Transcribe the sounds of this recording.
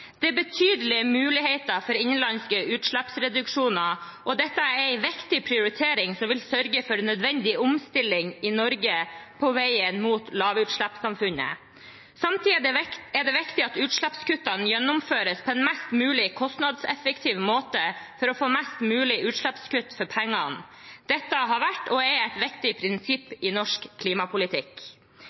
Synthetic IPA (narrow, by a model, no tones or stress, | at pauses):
d̪̥ɛæbət̪ʰyːd̪əlɪəmʉːlɪɦeɪt̪əfɔɾɪɲənlɑnskəʉːt̪ʂɭæpsɾɛd̪ʉkʂuːnɑɾ | ʔɔd̪ɛt̪ːəæɾɾæɪʋɪkt̪ɪpʰɾɪʊɾɪt̪ʰeːɾɪŋsɔmʋɪlsœɾɡəfɔɾnœd̪ʋɛnd̪ɪʊmst̪ɪlɪŋɪnɔɾɡəpʰɔʋæɪənmuːt̪lɑːʋʉːt̪ʂɭæpsɑmfʉnə̰ | sɑmt̪ʰiːɛɖ̪ɛʋɪkt̪ɪɑt̪ʉːt̪ʂlɭæpskʉt̪ːɑnjɛnːʊmføːɾəspʰɔɛnmæst̪mʉːlɪkʰɔst̪nɑd̪sɛfəkt̪ʰiːʋmoːt̪əfɔɾɔfoːmɛst̪mʉːlɪʔʉːt̪ʂɭæpskʉt̪ːfɔɾpʰɛŋːɑn | d̪̥ɛt̪ːəɦɑɾʋæʈːɔɛæt̪ʋɪkt̪ɪpʰɾɪnsɪpːɪnɔʂkkʰːliːmɑpʰʊlɪt̪ʰɪk